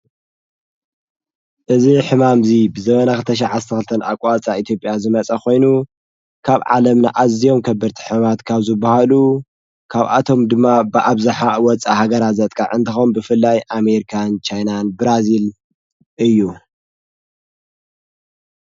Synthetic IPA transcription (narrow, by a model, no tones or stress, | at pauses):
ʔɨziħɨmamzibɨzɐmɐnaxɨlt̪ʰɐʃ̬aʕast̪ʰɐxɨlɨt̪ʰɐna̰kʷʼat͡sʼait̪ʰjo̞pʼjazɨmɐt͡sʼɐko̞jnu | kʰaβʕa̰lɐmnaʔazijo̞mkʰɐbːɨɾt̪ʰi̥ħɨmmat̪kʰaβzɨbːahalu | kʰaβʔa̰t̪ʰo̞md̪ɨmːabɨʔaβzaħawɔt͡sʼahaɡɐɾat̪zɐt̪ʼkʼa̰ʕɨnt̪ʰixombɨfɨlːajʔameɾikʰant͡ʃʰajnanbɨɾazil | ʔɨjːu